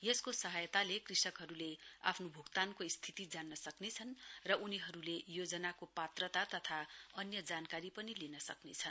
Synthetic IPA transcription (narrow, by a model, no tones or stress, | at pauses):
jʌskosʌɦʌjt̪alekrisʌkɦʌɾulea̰pʰnobʱukt̪ankoist̪ʰit̪id͡zanːʌsʌknet͡sʰʌnrʌʔuniɦʌɾulejod͡zʌnakopat̪rʌt̪at̪ʌt̪ʰaʌnjʌd͡zankaɾipʌnilinʌsʌ̰knet͡sʰʌn